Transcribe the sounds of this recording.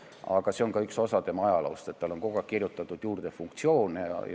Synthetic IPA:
ɑɡ̥ɑse̞o̞ŋkɑykso̞sɑd̪e̞mɑɑjɑlɑost̪e̞t̪ːɑlo̞ŋko̞ɡ̥ɑkirjut̪ːˑɑt̪ːˑud̪̥juːrd̪̥efuŋkt̪sio̞ːnejɑ̰j

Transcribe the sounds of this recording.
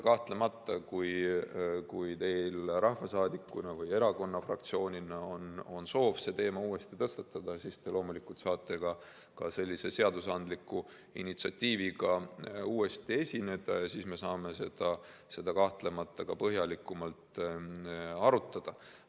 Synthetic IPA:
kɑht̪le̞mɑt̪ˑːɑkuj | kujt̪e̞jlɾʔɑhvɑsɑːd̪ikːunɑvɯje̞ɾɑko̞nːɑfrɑ̰kt̪sio̞ːnʲinɑo̞no̞nso̞ːvse̞t̪e̞ːmɑuːe̞st̪it̪ɤst̪ɑt̪ːˑɑd̪̥ɑsist̪e̞lo̞ːmulikːˑult̪sɑːt̪ːˑe̞kɑ | kɑse̞lʲːise̞se̞ɑd̪usɑnd̪likːu | ḭnit̪siɑ̰t̪ʲːiːviɡɑuːe̞st̪ie̞sʲine̞d̪̥ɑjɑsiːsme̞sɑːme̞se̞d̪̥ɑ | se̞d̪̥ɑkɑht̪le̞mɑt̪ːˑɑkɑpɤɦjɑlikːˑumɑlt̪ | ɑɾut̪ːˑɑd̪̥ɑ

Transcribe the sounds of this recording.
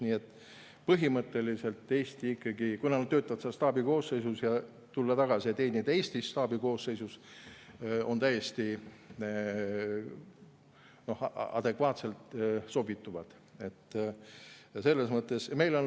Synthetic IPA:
niːet̪ːˑ | pɤɦimɤt̪ːˑe̞lise̞lt̪ːˑe̞ːst̪iikːɑɡikunɑnɑd̪t̪øːt̪ːˑɑvɑt̪sɑ̥ɑst̪ɑːbiko̞ːsːejsusjɑ | t̪ulːɑt̪ɑɡ̥ɑsiet̪ːeːnid̪̥eːsʲt̪isːt̪ɑːbiko̞ːsejsus | o̞̰nt̪æjːe̞st̪i | no̞hɑ̰d̪̥e̞kvɑːt̪se̞lt̪so̞bit̪ːˑuvɑd̪̥ | e̞t̪ː | se̞lːe̞smɤt̪ːˑe̞sme̞jlo̞n

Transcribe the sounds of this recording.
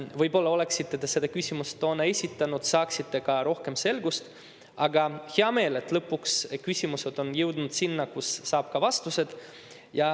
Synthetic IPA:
vɤjbo̞lːɑo̞le̞ksit̪ːˑet̪ese̞d̪̥ɑkysʲimust̪o̞ːnːɑesʲit̪ːˑɑnud̪sɑːksit̪ːe̞kɑɾo̞hke̞mse̞lɡust̪ | ɑɡɑheɑme̞ːle̞t̪ːˑlɤpːukskysʲimuse̞d̪̥o̞njɤwd̪̥nud̪̥sinːɑkusːɑːb̥kɑvɑst̪use̞d̪̥ | jɑ

